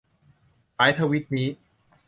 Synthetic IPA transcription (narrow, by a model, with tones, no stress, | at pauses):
saː˨˦jt̪ʰa˧wi˦˥t̪̚niː˦˥